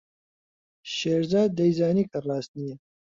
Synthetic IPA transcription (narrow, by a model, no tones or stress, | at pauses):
ʃeːɾzaːd̪̚ːɐjzaːniːkʰɐraːst̪̚nije